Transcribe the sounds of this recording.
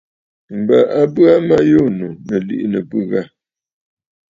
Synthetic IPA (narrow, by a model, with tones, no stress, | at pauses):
m̩˨ba˨ʔa˦bɰa˦ma˦jo˦˨nu˨mə˨lḭ˦ʔnə˨pɨ˦ɣa˦˨